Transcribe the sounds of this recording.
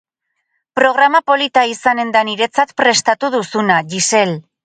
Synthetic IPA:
pɾo̞ɣ̞ɾamapo̞lit̪aisane̞nd̪aniɾe̞t͡sat̪pɾe̞st̪at̪uðusunaʝise̞l

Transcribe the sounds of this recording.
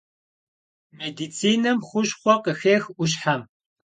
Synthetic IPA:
med̪iːt͡sʰiːnɐmχʷʊʃχʷɔqəxeːxʷʊɕ̬ħam

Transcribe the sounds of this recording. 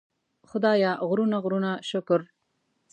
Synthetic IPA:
xʊd̪ɑːjɑɣɾunaɣɾunaʃʊkʊɾ

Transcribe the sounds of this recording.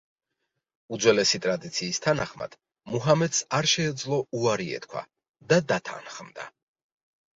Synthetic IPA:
ud̪zwɛlɛsit̪ʼɾad̪it̪sʰiːst̪ʰanaχma̰d̪̥ | muɦamɛt̪saɾʃɛːd̪zlˠɔuaɾiɛ̰t̪̚kʰwa̰ | d̪ad̪at̪ʰa̰nχmd̪a̰

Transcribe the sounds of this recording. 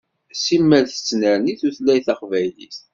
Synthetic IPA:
simːəlθə̥t͡sːnəɾniθuθlæjθæqvæjlḭst̪

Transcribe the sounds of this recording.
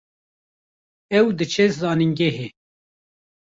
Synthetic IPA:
ɛwd̪ɨt͡ʃʰezɑːniŋɡɛɦe

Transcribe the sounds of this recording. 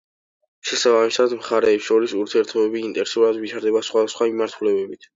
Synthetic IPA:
ʃɛsabamisad̪mχaɾɛːpsʃɔɾisuɾt̪ʰiɛɾt̪ʰɔbɛbiːnt̪ʼɛɾsuɾad̪vit͡ʃʰaɾd̪ɛbasχwad̪asχwamimaɾt̪ʰulɛbɛbit̪ʰ

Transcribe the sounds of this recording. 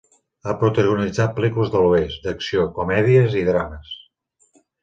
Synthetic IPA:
apɾut̪əɣunid͡zat̪̚pəlikuləzðəluest̪d̪əksiokumɛðiəziðɾaməs

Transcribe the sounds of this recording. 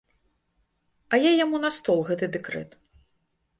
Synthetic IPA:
ɐjajamunɐst̪ɔlˠɣɛt̪ɨd̪ɛkɾɛ̰t̪

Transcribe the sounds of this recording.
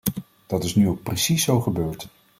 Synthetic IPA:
d̥ɑtɪsnyowk̚prəsisːowχəbøːɹt

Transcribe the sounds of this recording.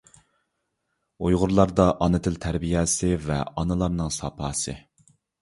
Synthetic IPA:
ojʁʊɾlˠɑɾd̪ɑʔɑnɨt̪ʰɪlt̪ʰæɾbijɛsɪvɛɑnɨlˠɑɾnɨŋsɑpʰɑːsɨ̰

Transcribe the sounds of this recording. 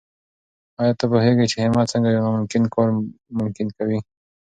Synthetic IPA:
ɑjɑt̪apoɦeɡat͡ʃehemɑsəŋɡajawnamʊmkɪnkoɾmʊmkɪnkawi

